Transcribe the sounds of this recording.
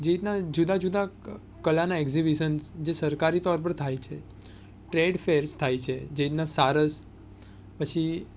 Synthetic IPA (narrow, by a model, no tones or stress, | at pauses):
d͡ʒeit̪nad͡ʒud̪ad͡ʒud̪a | kəlanaeɡzibiʃənsd͡ʒesəɾkaɾit̪ɔɾp̬əɾt̪ʰajt͡ʃʰe | ʈɾeɖfeɾst̪ʰajt͡ʃʰed͡ʒeit̪̚nasaɾəs | pət͡ʃʰi